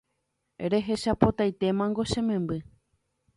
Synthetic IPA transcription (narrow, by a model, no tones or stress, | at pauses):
eɾe̞ɦe̞ʃapo̞t̪ajt̪e̞mãŋɡo̞ʃẽ̞mẽ̞mbɨ